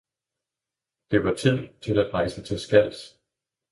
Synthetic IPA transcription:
d̥e̝ʋɑ̈t͡sʰið̰ˠt͡sʰe̝læd̥ʁɑ̈ɪsət͡sʰe̝lsɡ̥æl̰s

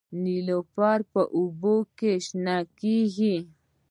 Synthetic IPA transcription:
nilopɑɾpəʔubokeʃnɑkiɡi

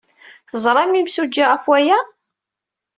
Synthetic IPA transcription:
θəzˤɾˤɑmimsud͡ʒːiʁəfwæjæ

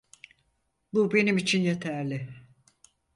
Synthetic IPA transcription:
bube̞nimit͡ʃʰinje̞t̪ʰæɾlʲɪ

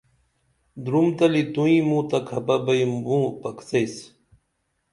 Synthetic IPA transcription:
d̪ɾumt̪ɐlit̪ũĩmũt̪ɐkʰɐpɐbɐjmbũpɐkt͡sejs

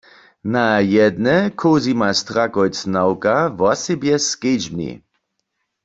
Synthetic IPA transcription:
najɛd̪nɛkʰoːzimast̪ʁakɔjt͡snawkavɔsɛbjɛsked͡ʒbnḭ

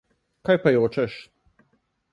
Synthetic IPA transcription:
kajpajoːt͡ʃɛʃ

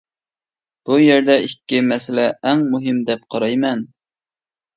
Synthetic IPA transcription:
b̥ujɛɾd̪ɛikʲːimɛsɪlɛʔːŋmuɦɪmd̪ɛp̚qʰɑɾɑjmɛn

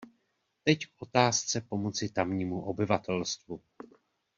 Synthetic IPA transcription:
t̪ɛckʔo̞t̪aːst͡sɛpo̞mo̞t͡sɪt̪amɲiːmuʔo̞bɪvat̪ɛlst̪vu

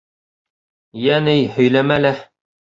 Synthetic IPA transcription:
jænɘjhɵ̆jlæmælæ

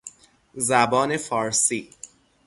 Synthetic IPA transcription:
zæbɒːne̞fɒːɾsiː

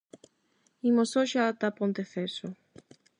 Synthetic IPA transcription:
imosoʃat̪apont̪eθeso

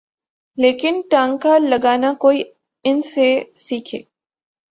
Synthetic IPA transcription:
leːkɪnʈãːŋɡkalɐɡaːnakoːi | ɪnsesiːkʰḛː

